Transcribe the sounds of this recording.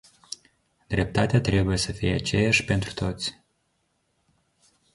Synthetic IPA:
d̪ɾʲep̚t̪at̪ʲat̪ɾʲebujesəfijeat͡ʃejaʃpent̪ɾu̥t̪ʰot̪sʲ

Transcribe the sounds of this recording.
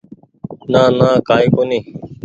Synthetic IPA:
nãːnãːkaːiːkoːniː

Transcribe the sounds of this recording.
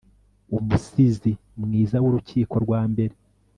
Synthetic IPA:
umusizi | mŋiːzawoɾuciːko̞ɾɡwaːmbe̞ɾe̞

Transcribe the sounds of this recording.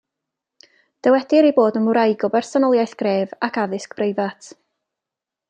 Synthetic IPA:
d̥əwɛdɪɾeboːdəmʊɾajɡɔbɛrsɔnɔlˠjajθɡ̥reːvakʰaðɪskb̥rejvatʰ

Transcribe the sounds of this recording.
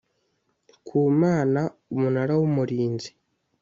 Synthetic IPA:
kʰuːmaːnaumunaɾawumuɾiːnzi̥

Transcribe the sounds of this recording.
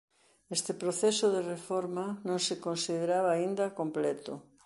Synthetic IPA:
est̪ɪpɾoθesʊðerefoɾmanõŋsekõnsiðeɾaβaːind̪akomplɛt̪o̰

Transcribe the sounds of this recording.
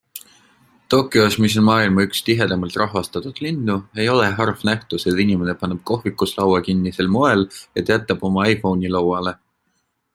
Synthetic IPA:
t̪o̞kːˑjosmis̬o̞nmɑːilmɑykst̪iɦe̞d̪̥ɑmɑlt̪ˑrɑɦvɑst̪ɑt̪ud̪̥lind̪ue̞jo̞le̞ɦɑrfnæht̪uset̪inime̞ne̞pɑnːeb̥̚ko̞ɦvikːˑuslɑwɑkinːiselmo̞e̞let̪ˑjæt̪ːˑɑb̥o̞mɑɑjfo̞wnʲilɑwɑle̞

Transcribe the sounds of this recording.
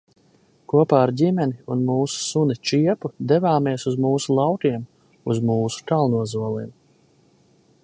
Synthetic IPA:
kuɔpaːɾdʲimɛniunmuːsu̥sunit͡ʃiɛpud̪evaːmiɛsuzmuːsulˠɑwkʲiɛm | uzmuːsu̥t̪alˠnuɔzuɔlˠiːm

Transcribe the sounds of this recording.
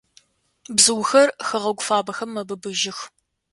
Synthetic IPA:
bzɨwxɐrxɐʁɐɡʷʊfaːbɐxɐmːɐbɨbɨʒɪx

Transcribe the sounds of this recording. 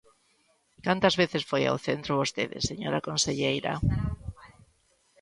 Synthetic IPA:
kant̪azβeθesfoja̰wθent̪ɾʊβost̪eðḛseɲoɾakonseʎejɾa̰

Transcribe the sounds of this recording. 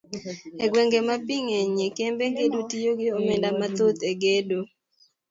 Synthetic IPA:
eɡweŋɡemapiŋeɲekembeŋɡedutijoɡɪomendamat̪ot̪eɡedo

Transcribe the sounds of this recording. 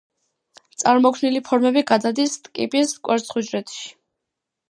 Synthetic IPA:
t̪sʼaɾmɔkʰvnilipʰɔɾmɛbiɡad̪ad̪ist̪ʼkʼḭpʼiskʼwʔɛɾsχud͡ʒɾɛt̪ʰʃi̥

